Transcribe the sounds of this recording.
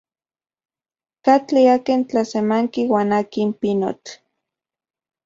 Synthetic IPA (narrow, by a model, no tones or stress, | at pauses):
kat͡ɬiakent͡ɬasemaŋkiwaːnakimpino̰t͡ɬ